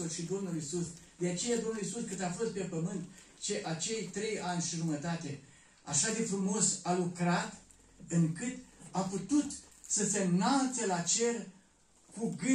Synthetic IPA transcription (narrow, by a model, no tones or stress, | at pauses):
ulʃid̪o̞mnulisusd̪eat͡ʃe̞jad̪o̞mnulisuskɨt̪afo̞st̪̚pe̞pəmɨnt̪ | t͡ʃe̞ʔat͡ʃe̞jt̪ɾe̞janʲʃiʒumət̪at̪e̞ | a̰ʃad̪e̞fɾumo̞salukɾat̪ | ɨŋkɨt̪aput̪ut̪səse̞mnalt̪selat͡ʃe̞r | kuɡɨ